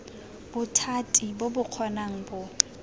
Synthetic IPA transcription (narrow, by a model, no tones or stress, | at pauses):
b̥ʊtʰatʼibobʊq͡χʰɔnaŋ̩bʊ